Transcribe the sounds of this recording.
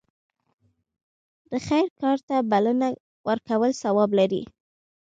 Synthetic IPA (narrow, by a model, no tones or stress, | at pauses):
d̪̥əxajɾkɑɾt̪abaləna | wʔəɾkawəlsawɑblaɾḭ